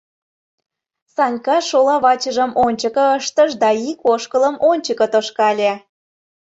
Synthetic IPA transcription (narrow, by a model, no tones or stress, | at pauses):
sɑnʲkɑʃolɑβɑt͡ɕəʒəmonʲt͡ɕəkə̆əʃt̪əʃd̪ɑikoʃkələmonʲt͡ɕəkə̆t̪oʃkɑlʲe